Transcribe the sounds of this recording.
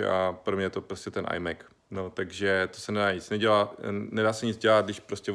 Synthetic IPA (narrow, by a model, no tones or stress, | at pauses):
ɛ̰ʔapɾomɲɛjɛt̪o̞pɾoscɛt̪ɛnʔa̰jmɛk | no̞t̪aɡʒɛt̪osɛnɛdaːɲɪt͡snɛɟɛlaːnɛdaːsɛɲɪd͡zɟɛlat̪̚ɡdɪʃpɾoscɛ